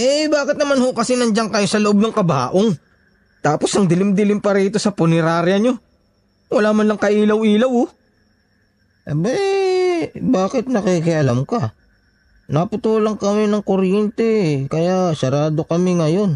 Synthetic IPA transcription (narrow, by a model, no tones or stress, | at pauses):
ʔɛbaːkɪt̪nɐmanho̞kɐsɪnɐnd͡ʒaŋkɐjosɐlʊʔob̚nɐŋkɐba̰ːʔoŋ | t̪aːpo̞sɐŋd̪ɪlɪmd̪ɪlɪmpɐɾiːt̪o̞sɐpʊnɪɾaːɾjɐɲo̞ | wɐlaːmɐnlɐŋkɐʔiːlɐwʔiːlɐwho | bɐj | baːkɪt̪̚nɐkikɪʔɐlamkɐ | nɐpʊt̪uːlɐŋkɐmɪnɐŋkoɾjɛnt̪ɛkɐjaʔsɐɾaːd̪o̞kɐmɪŋɐjo̞n